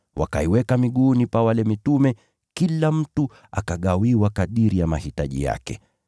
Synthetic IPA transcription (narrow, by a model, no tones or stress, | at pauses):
wa̰kaiwɛkamiɠunipawalɛmitumɛ | kilam̩tu | akaɠawiwakaɗiɾijamahitaʄḭja̰kɛ̰